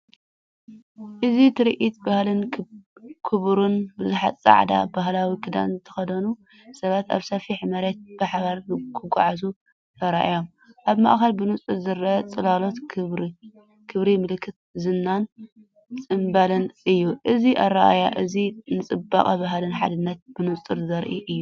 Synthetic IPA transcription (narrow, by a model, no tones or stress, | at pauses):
ʔɨzit̪ʰɨɾʔit̪bahlɨn | kʰɨβɾunbɨzuħat͡sʼa̰ʕd̪a̰baɦlawikʰɨd̪a̰nzɨt̪ʰɐ̥xɐd̪ɐnu | sɐβat̪a̰βsɐfiħmɐɾet̪̚b̥ɨħaβaɾkʰɨɡʷa̰ʕazu | t̪ʰɐɾa̰ʔajom | ʔaβmɐ̰ʔxɐlbɨnut͡sʼɨɾzɨɾʔɐt͡sʼɨlalo̞t̪kʰɨβɾi | kʰɨβɾimɨlkʰːɨt̪̚zɨnːan | t͡sʼɨmbɐlɐnʔɨjːuʔɨziʔarːaʔa̰jaʔɨzinɨt͡sʼɨba̰χʼaβaɦlɨnħad̪ɨnːɐt̪̚bɨnut͡sʼɨɾzɐɾʔiʔɨjːu